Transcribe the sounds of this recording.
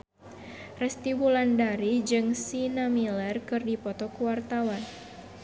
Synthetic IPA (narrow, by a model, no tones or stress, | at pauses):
rɛst̪iwulandaɾid͡ʒɨŋsinamilɛrkɨrdipɔt̪ɔkuwart̪awan